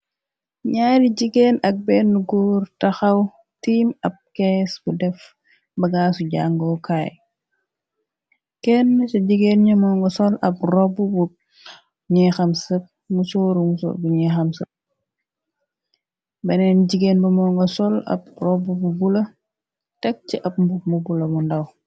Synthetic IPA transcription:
ɲaːɾiɟiɡɛːnɐk̚bɛːnːuɡurtɐxɐw | tiːmɐp̚kɛsbudɛf | bɐɡaːsuɟa̰ŋɡɔːkʰaːj | kɛnːəsɐɟiɡeːnɲɐmɔːŋɡɔsɔlɐp̚rɔbubu | ɲɛxɐmsɐp̚ | musɔːɾumusɔ̰ːbuɲɛxɐmsɐp̚ | bɐnɛnɟiɡeːnbɐmɔŋɡɐsɔlɐ̰p̚rɔbːububulɐ | tɛk̚t͡ʃiʔɐp̚mbumubulɐmundɐw

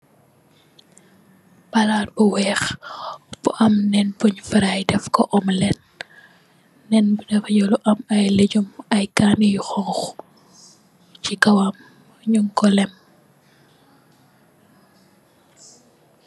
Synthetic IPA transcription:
balat̚bɔwɛx | b̥uʔɐmnɛnpuɲfiɾajdɛfkɔʔɔmlɛn̚ | ɛnbudɛfjɔluʔɐmɐjleɟumɐjkanijxɔŋx | cikɐwam | ɲuŋkɔlɛm

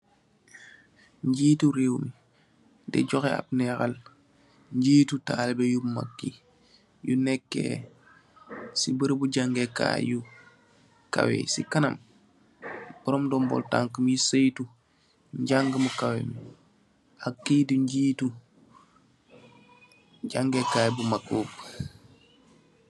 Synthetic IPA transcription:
ɲɟiːtuɾewmi | dɛ̰ɟɔxɛa̰p̚nɛxal | ɲɟiːtutaːlbɛjuma̰kːi | junɛkːḛ | sibəɾbuɟaŋɡeka̰ːju | ka̰wḛsikɐnɐm | bɔɾɔmdɔmbɔ̰lta̰ŋkəmjisəjtu | ɲɟaŋɡəmukawḛmi | akːiːduɲɟiːtu | ɟaŋɡekaːjbumakːuːp

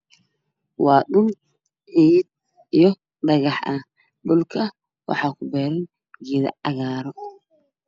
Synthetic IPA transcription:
wɑːɗʊn | ʕiːd̪̚ | ijɔ | ɖ̪ɐɣɐħʔɐ | dʊlkʰɐ | wɑ̰ħɑːkʰʊbɛːɾɐn | ɡiðɐ̰ɑɣaːɾɔ

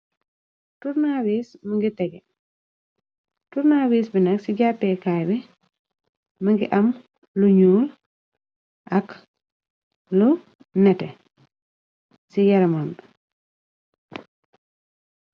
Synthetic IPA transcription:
tuɾnaːwiːsmɐŋɡitɛɡɛ | tuɾnaːwiːsbinɐksiɟapːɛkajbɛ | mɐŋɡḭʔɐm | luɲuːl | ʔɐk | lu | nɛtɛ | sijɐɾɐmam

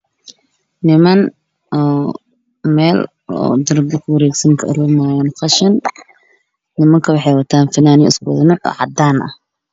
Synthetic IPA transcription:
nɪmɐn | ʔɔː | mɛːl | ɔ̰ːd̪ɪɾd̪ɪkʰʊwɐɾɛːɡsɐŋkʰɐʔɐɾumaːjaːnqɑʃɐn | nɪmɐŋkʰɐwɑħɑjwɐt̪ʰaːnfɐnaːnɪɪ̰skʊ̰ðɪnɪʔɔ̰ːʕɑd̪aːnʔɐ̰h

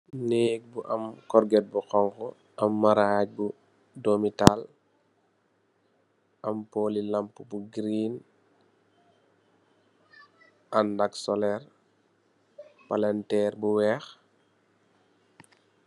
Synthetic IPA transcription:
nek̚buʔɐmkɔɾɡɛt̚buxɔŋkɔ | ʔɐmːaɾac̚bu | domital | ʔampoːlilampːubuɡɾiːn | ʔandaksɔlɛɾ | palɛntɛɾbuwɛx

